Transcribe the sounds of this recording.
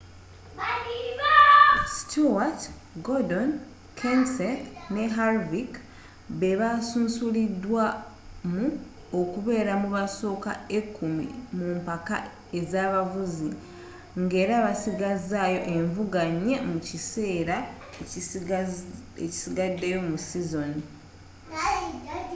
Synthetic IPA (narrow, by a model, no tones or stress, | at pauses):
stuwat | ɡodon | kʰensene̞ɦaɾvik | βeβasuːnsulidwamu | okuβe̞ːɾamuβaso̞ːka̰e̞kːumḭmuːmpaka̰ | e̞zaːβavuzi | ŋɡe̞ːɾaːβasiɡazaːjo̞ʔe̞ɱvuɡaɲːe̞mucise̞ːɾa | eci̥siɡadːe̞jo̞musizo̞ni